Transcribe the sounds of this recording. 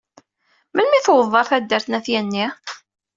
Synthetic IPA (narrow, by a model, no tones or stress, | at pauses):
mənmiθwəðˤːɑɾˤθæd̪ːəɾθnæθjænːi